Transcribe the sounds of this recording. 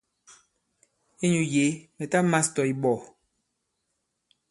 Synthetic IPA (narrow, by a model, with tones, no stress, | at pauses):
e˦ɲu˨je˨˦mɛ˨ta˦ma˦stɔ˨i˨ɓɔ˨